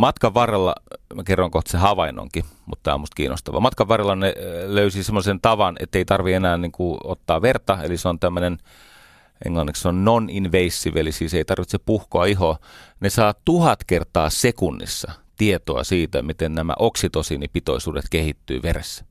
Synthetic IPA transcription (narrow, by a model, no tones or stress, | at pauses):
mɑt̪kɑʋʋɑrelːɑ̰mækerːoŋkoht̪sehɑʋɑinːˑo̰ŋkimut̪ːæ̰ːɑ̰must̪̚kiːno̰st̪ɑʋɑ̰mɑt̪kɑʋʋɑrelːɑneløysisemːosent̪ɑʋɑnḛt̪ːeit̪ɑrʋienæːnniŋkuot̪ːɑːʋert̪ɑḛliseont̪æmːønen | ʔḛŋlɑnːiksseonnoninʋeisːiʋelisiːseit̪ɑrʋit̪sepuhkoɑiɦonesɑːt̪uhɑt̪kert̪ɑːsekunːḭsːɑt̪iet̪oɑ̰siːt̪æ̰mit̪ennæmæ̰ʔoksit̪osinipit̪o̰isuːdet̪kehit̪ːy̰ːʋerḛsːæ̥